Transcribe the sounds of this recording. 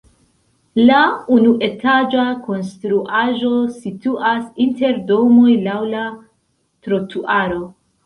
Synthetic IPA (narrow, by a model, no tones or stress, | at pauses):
launuʔe̞tad͡ʒako̞nstɾuʔaʒo̞situʔasinte̞ɾdo̞mo̞jlawla | tɾo̞tʰuʔaɾo̞